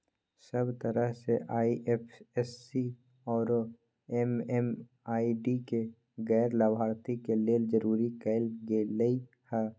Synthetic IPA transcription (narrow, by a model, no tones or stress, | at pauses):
səbt̪əɾəɦseʔaːiʔepʰesːi | ɔːɾ | emem | aːiɖike | ɣɛːɾləbʱaːɾt̪ikeleːld͡ʒəɾuːɾikəɪlɡeləi | hɛː